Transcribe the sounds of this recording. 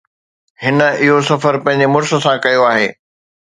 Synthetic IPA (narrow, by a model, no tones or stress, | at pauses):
hɪnə̆ɪɦosɐfəɾpɐ̃ɦɪ̃ɲ̆d͡ʑemʊɾsə̆sãkɐjoaːɦeː